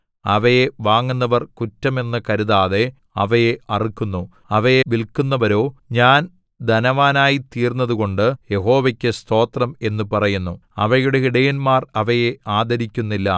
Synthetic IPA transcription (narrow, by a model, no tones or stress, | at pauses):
ɐʋɐjeʋaːŋːunːɐʋɐrkutːɐme̞nːɐkɐɾuðaːðe̞ | ɐʋɐjeɐrikːunːu | ɐʋɐjeʋilkunːɐʋɐɾo̞ːɲaːn | d̪ʱɐnɐʋaːnaːjit̪iːrnːɐðuɣo̞ɳɖɨje̞ɦo̞ːʋɐkʲːɨst̪ʰo̞ːt̪rɐme̞nːupɐrɐjunːuɐʋɐjuɽe̞ɦiɽɐjɐnmaːrɐʋɐjeaːd̪ɐɾikʲːunːilːɐ